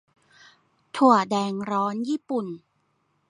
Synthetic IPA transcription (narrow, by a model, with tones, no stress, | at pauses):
t̪ʰu˨˩ədɛː˧ŋɾɔː˦˥njiː˥˩pu˨˩n